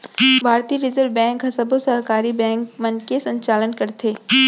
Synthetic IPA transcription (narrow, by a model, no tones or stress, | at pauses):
bʱaːɾt̪iːɾɪzəɾʋbɛ̃ːŋkɦɐsɐbosɐɦkaːɾibɛ̃ːŋkmənkesɐ̃ɲt͡ʃaːlənkɐɾt̪ʰeː